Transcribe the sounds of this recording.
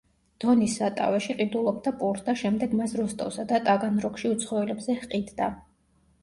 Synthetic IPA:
d̪̥ɔnisːat̪ʼa̰vɛʃiqʼid̪ulˠɔp̚ʰd̪apʼuɾt̪ʰd̪aʃɛmd̪ɛɡmasɾɔst̪ʼɔ̰fsad̪at̪ʼaɡanɾɔkʃiut̪sʰχɔɛlɛbzɛhqʼid̪d̪a

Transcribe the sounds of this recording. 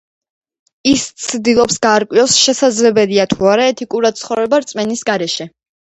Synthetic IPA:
ist̪sʰd̪ilˠɔpsɡaːɾkʼwiɔsʃɛsad̪zlɛbɛliat̪ʰuaɾaɛt̪ʰikʼuɾad̪̥̚tsʰχɔvɾɛbaɾt̪sʼmɛnisɡaɾɛʃɛ

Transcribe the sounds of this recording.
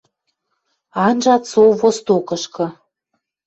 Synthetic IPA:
ɑnʒɑt̪soβost̪okɤ̆ʃkɤ̆

